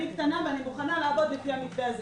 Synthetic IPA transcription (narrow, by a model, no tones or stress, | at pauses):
ikt̪anaveanimuχanalaːbo̞d̪lefiamitbeaze